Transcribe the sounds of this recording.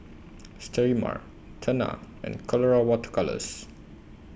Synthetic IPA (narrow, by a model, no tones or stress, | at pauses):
stʰɛɹima̰ɹ | tʰəna̰ | ɛ̰̃nkʰɔlɔɹawɔtəkʰalə̰s